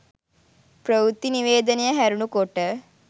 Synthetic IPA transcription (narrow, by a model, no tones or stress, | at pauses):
pɾəʋut̪ːiniʋeːd̪ənejəɦæɾunukoʈːə